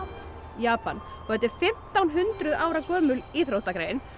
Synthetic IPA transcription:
jaːpan | fœt̪ɪfɪm̥t̪awnɦʏnt̪ɾʏðaːwɾakœːmʏliθɾowht̪akɾejɪn

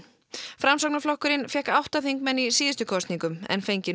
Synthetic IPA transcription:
fɾamsɔknaflɔhkʏɾɪnfjɛhkawht̪aθiŋkmɛnːisiːðɪst̪ʏkʰɔst̪niŋkʏmɛ̰nfejɲcɪ

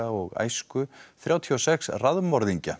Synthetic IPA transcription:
aɔɣa̰jskʏθɾjaːwt̪ʰiɔsɛksraðmɔɾðiɲca̰

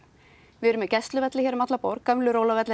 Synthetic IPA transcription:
vɪɛɾʏmɛcɛst̪lʏvɛt̪lɪçɛɾʏmat̪lapɔwɾkœmlʏɾoːwlavɛt̪lɪ

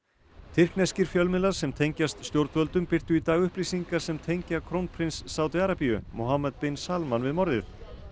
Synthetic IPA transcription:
t̪ʰɪr̥knɛscɪɾ̥fjœlmɪlḁsɛmt̪ʰejɲcast̪st̪jowɾt̪vœlt̪ʏmpɪr̥t̪ʏit̪aːɣʏhpliːsiŋkḁsɛmt̪ʰejɲcakʰɾownpʰɾinsːaːwt̪iaɾapijʏmowɦamat̪pejnsalmanvɪðmɔɾðɪθ

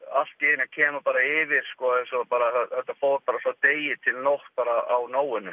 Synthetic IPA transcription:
al̥t̪ceɪnacʰɛːmapaːɾaɪvɪɾ̥skɔːensɔpaːɾaθɛθɛht̪afoːwɾpaːɾasat̪eːjɪt̪ʰɪlnoht̪̚paːɾaa̰wnoːwʏnʏ

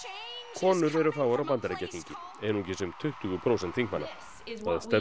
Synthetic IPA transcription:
kʰɔːnʏɾɛɾʏraːwvaɾawpant̪aɾecːɛt̪ʰːiɲcɪ | ejnucɪsʏmt̪ʰʏht̪ʏɣʏpʰɾowsɛnt̪ʰθiŋkmanːa̰ | θaðast̪ɛ

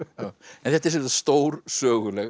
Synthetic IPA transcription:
ɛ̃nθɛt̪ɪɾsɛɾst̪owɾsœːɣʏlɛɣ

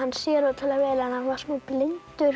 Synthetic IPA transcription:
anːsjɛːɾawt̪ʰalavɛːɾanhanvasmuplɪntt̪ʏɾ

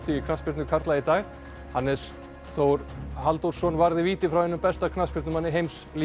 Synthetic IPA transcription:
t̪ɪjɪkʰnaspɪɾt̪nʏkʰaɾt̪lait̪aːɣ | hanːɛs | θowɾhalt̪owɾsɔnvaɾðɪviːt̪ɪfɾawhɛnːʏmpɛst̪akʰnaspɪɾt̪nʏmanːɪɦejmsli

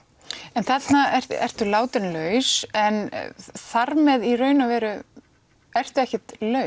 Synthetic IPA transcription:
ɛnθɛt̪naɛ̥ɛ̰r̥t̪ʏlaːwt̪ɪnlœːɥsɛnθaɾmɛðirœːɥnavɛːɾʏ | ɛr̥t̪ʏɛhcɛt̪lœ

